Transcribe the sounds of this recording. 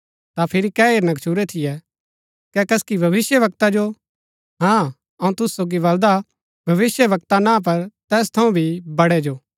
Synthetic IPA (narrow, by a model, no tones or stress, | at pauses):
t̪apʰɪɾikɛeːɾnɐkt͡ʃʰuɾɛt̪ʰɪjɛ | kɛkɐskibʱɐʋɪsjəʋɐk̚t̪ad͡ʒo | ɦã | ɐũt̪ʊssoːɡiʋɐld̪a | bʱɐʋɪsjəʋɐk̚t̪anãp̬ɐɾt̪ɛːs̬t̪ʰɐũbʱibɐɽɛd͡ʒoː